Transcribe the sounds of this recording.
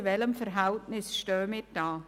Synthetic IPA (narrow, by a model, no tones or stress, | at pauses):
vɛləmfəɾɦɛltnɪsʃtœːmɪd̥aː